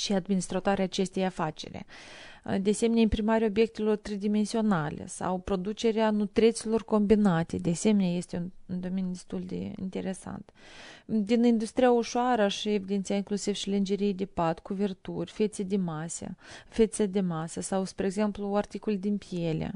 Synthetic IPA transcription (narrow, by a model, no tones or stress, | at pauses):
ʃiad̪minist̪ɾat̪oaɾeaːt͡ʃe̞st̪ʲejafat͡ʃe̞̰ɾʲḛ | d̪easemenʲaimpɾimaɾʲaobje̞k̚t̪e̞lo̞rt̪ɾed̪ime̞nsio̞nalʲḛsa̰wpɾo̞d̪ut͡ʃe̞ɾeanut̪ɾet̪silo̞rko̞mbinat̪e̞d̪ease̞menʲaje̞st̪euund̪o̞menjud̪e̞st̪ulʲd̪e̞̰ḭnt̪e̞ɾe̞sa̰nt̪ | d̪inind̪ust̪ɾijauʃoaɾəʃie̞vid̪et̪ijaiŋklusivʃilɨnd͡ʒeɾijd̪epat̪kuvert̪urʲfe̞t̪sed̪emasə̰fʲe̞t̪səd̪e̞masəsawspɾeɡze̞mpluart̪ikolʲd̪inpije̞lʲḛ